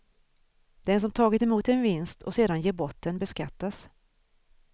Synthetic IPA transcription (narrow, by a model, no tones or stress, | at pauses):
d̪̥ɛns̬ɔmt̪ʰɑːɡɪt̪ɛmuːt̪ɛnvɪnst̪ʰɔ̰seːd̪anjeːɾbɔt̪ʰːənbɛska̰t̪ːas